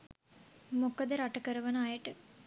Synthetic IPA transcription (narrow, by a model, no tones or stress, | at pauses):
mokəd̪əɾaʈəkəɾəʋɐnəajəʈə